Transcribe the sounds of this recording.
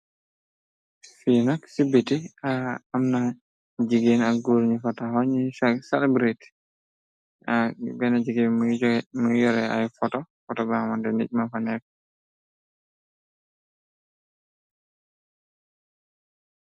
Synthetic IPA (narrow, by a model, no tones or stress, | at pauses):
finɔksibitiaamna | d͡ʒiɡenaɡuːɾɲifatahɔɲisasɛlɛbɾit | abɛnad͡ʒiɡɛ | mujɔɾɛa̰jfɔtɔfɔtɔbamandɛnḭc̚mafanɛk̚